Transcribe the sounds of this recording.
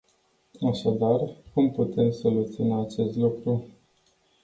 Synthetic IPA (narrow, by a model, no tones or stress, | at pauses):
aʃad̪arkumput̪e̞mso̞lut̪sionaːt͡ʃe̞st̪lukɾu